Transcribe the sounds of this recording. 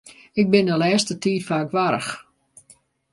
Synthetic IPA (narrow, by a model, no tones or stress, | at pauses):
ɪk̚bɪndəlɛːstətiːtfaːkʋaɾə̰x